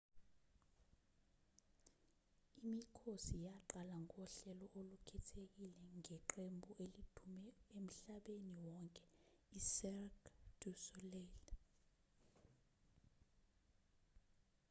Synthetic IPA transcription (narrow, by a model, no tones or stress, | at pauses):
imikʰosijaǃalaŋɔɬɛlɔʔolukʰɛtʰek̬ilɛŋɛǃembʱuʔelid̥ʰʱumɛem̩ɬaɓeniwɔŋkʼɛ̥isɛrkd̥usulɛːl